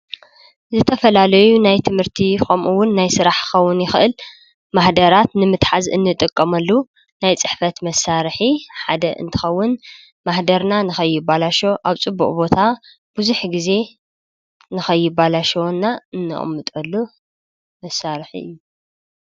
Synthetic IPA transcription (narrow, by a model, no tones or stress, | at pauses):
zɨt̪ʰɐfɐlalɐjunajt̪ʰɨmhɨɾt̪ʰixomʔuwːʊnːajsɨɾaħxɐwːʊnjɪxʔɨl | maħd̪ɐɾat̪nɨmɨt̪ħazɨ̰nːɨt̪ʼɨkʼːɐmɐlːu | najt͡sʼɨħfɐt̪mɐsːaɾħiħad̪ɐʔɨ̰nt̪ʰɨ̥xɐwːʊn | maħd̪ɐɾnanɨxɐjːɪbalaʃo̞ʔaβt͡sʼɨbːṵʔʼbo̞t̪ʰa | b̥ɨzuħɡize̞ | nɨxɐjːɪbalaʃɐwnːaɨnːɨ̰χʼmːɨt̪ʼɐlːu | mɐsːaɾħḭɨ̰jːu